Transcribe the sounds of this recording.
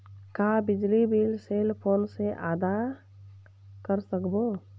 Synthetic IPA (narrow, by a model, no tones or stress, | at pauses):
kabɪd͡ʒlibiːlseːlpʰoːnseʔaːd̪a | kəɾsəkboː